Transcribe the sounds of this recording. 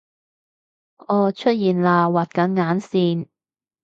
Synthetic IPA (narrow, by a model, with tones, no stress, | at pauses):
ɔː˨˧t͡ʃʰɵ˥t̚jiː˨˩nlaː˧waː˨˩t̚kɐ˨˥nŋaː˨˥nsiː˧n